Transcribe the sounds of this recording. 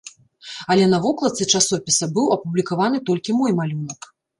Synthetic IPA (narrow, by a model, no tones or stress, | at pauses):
ɐlʲɛnɐvɔklˠɐt̪sɨt͡ʂasɔpʲisʲɐbɨwɐpublʲikavanɨt̪ɔlʲkʲimɔjmalʲunɐk